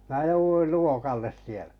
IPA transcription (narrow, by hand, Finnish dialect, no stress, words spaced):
mæː jouʋuil luokɑlːes sielæ̥